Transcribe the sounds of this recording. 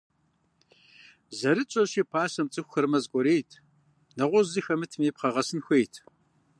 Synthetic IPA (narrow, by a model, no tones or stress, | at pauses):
zɐɾɨt͡ʃʼɐʃiːpʰaːsɐmt͡sʼɨxʷxɐrmɐzkʷʼɔɾeːjtʰ | nɐʁʷɔzɨxɐmɨtʰɨmeːpqɐʁɐsɨnxʷejtʰ